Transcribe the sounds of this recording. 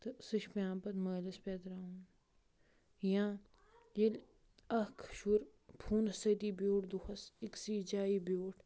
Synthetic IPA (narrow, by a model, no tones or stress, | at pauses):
t̪sɨʃpjãːpɐt̪mɐːlɐspeːt̪ɾaːũn | jãː | jil | ɐhkʰʃuɾpʰuːnsɐt̪iːbjoːʈd̪uxɐsiksiːd͡ʒaːiːbjoːʈʰ